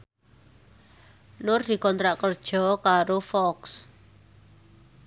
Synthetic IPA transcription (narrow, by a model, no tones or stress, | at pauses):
nʊrd̪̥i̤kɔnt̪ɾaʔkərd̥ʒ̥ɔ̤kaɾofɔks